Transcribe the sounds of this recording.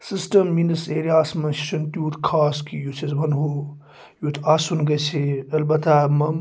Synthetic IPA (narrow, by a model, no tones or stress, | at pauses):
sisʈɐmːinɐseːɾijaːsmɐnssɐnt̪juːɾkʰaːskijut͡sʰesbʱɐnɦo | juːt̪ʰaːsunɡɐjt͡sʰeɐlbɐt̪aːmɐm